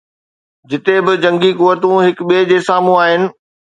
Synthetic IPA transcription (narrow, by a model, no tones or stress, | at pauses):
d͡ʑɪt̪ebɪd͡ʑɐ̃ŋɡikʊʋət̪ũɦɪkɓeːd͡ʑeːsaːmũaːɦɪnɪ̆